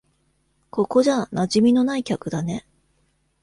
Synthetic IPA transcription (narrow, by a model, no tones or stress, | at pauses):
ko̞ko̞ʑanaʑimʲino̞naikʲakɯ̟d̪ane̞